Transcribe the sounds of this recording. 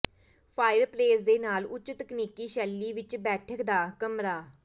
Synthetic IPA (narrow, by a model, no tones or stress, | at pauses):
pʰaːɪɾpleːsd̪eːnaːlʊt͡ʃːt̪əkniːkiːʃɛːlːiːʋɪt͡ʃbɛːʈʰəkd̪aːkəmɾaː